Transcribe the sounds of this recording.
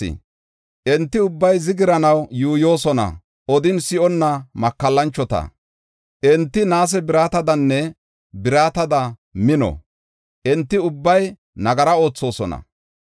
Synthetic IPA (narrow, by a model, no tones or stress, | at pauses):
ɪ̰ | ʔɛnt̪ːɪʊbːɐjzɪɡɪɾɐnɐwjuːjo̞ːsɔnɐ̰ | ɔd̪ɪnsɪʔɔnːɐmɐkːɐlːɐnt͡ʃːɔt̪ɐ̰ | ʔɛnt̪ːɪnaːs̬ɛbɪɾaːt̪ɐd̪ɐnːɛ | bɪɾaːt̪ɐd̪ɐmɪnɔ̰ | ʔɛnt̪ːɪʊbːɐj | nɐɡɐɾɐo̞ːt͡sːo̞ːsɔnɐ̰